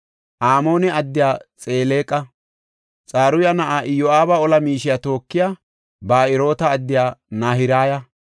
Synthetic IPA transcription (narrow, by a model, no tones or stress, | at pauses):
ʔaːmo̞ːnɛɐd̪ːɪjaːt͡sʼeːle̞ːkʼːɐ | t͡sʼaːɾʊjɐnɐʔaːʔɪjɔaːbɐɔlɐmiːʃɪjat̪o̞ːkːɪjaː | baːɪɾo̞ːt̪ɐːd̪ːɪjaːnaːhɪɾaːjɐ